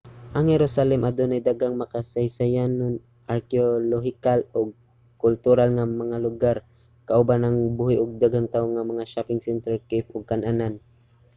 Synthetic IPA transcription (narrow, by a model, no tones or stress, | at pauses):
ʔaŋhɛɾosalɛmʔad̪onajd̪aɡaŋmakasajsajanʊn | ʔaɾkɪoloɦɪkalʊɡ̚ | kʊlt̪ʊɾalŋamɐŋalʊɡaɾ | kaʔʊbanaŋbuhɪʔʊɡ̚d̪aɡaŋt̪aʊŋːamɐŋaʃapɪŋsɛnt̪ɛɹkɪpʔʊɡ̚kanʔanan